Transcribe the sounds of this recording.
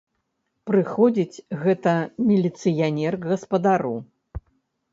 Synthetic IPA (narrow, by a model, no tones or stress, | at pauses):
pɾɨxɔd͡zʲit͡sʲɣɛt̪ɐmʲilʲit̪sɨjanʲɛrɣɐspɐd̪aɾu